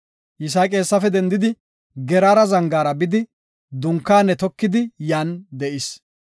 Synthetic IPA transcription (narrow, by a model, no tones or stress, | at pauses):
jɪs̬aːkʼe̞ːsːɐfɛd̪ɛnd̪ɪd̪ɪ | ɡɛɾaːɾɐzɐŋɡaːɾɐbɪd̪ɪ | d̪ʊŋkːaːnːɛt̪ɔkːɪd̪ɪjaːnd̪ɛʔɪs